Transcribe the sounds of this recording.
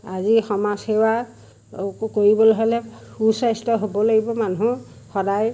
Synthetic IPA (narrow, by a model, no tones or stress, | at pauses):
azixɔmazhewa | koɹibɔloɦɔlɛusajstɔɦobɔlaɡibɔmanuɦũ | xɔdaj